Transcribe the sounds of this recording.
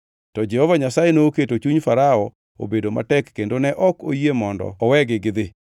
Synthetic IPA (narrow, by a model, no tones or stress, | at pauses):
tɔd͡ʒɛhɔvaɲasajenoːketot͡ʃuɲfaɾaɔ | o̰bedoma̰tɛkːendonɛʔɔko̰jemɔndɔ̰ɔwɛɡɪɡɪd̪ɪ